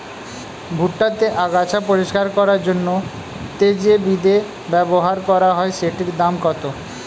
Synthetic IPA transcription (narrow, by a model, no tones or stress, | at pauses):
bʱuʈːat̪eʔaɡat͡ɕʰapoɾiʃkaɾkɔɾaɾd͡ʑonːo | t̪ed͡ʑebid̪e | bɛboɦaɾkɔɾaɦɔeʃeʈiɾd̪amkɔt̪o